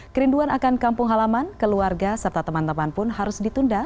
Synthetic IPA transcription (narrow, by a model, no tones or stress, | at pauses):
kəɾinduanakankampʊŋɦalamankəluarɡasərt̪at̪əmant̪əmanpʊnɦaɾʊsdit̪unda